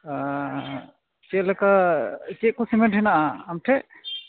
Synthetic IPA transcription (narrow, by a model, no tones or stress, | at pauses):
t͡ʃɛlɛkat͡ʃɛʔ̚kɔsimɛʈʰɛnaʔaːmʈʰɛʔ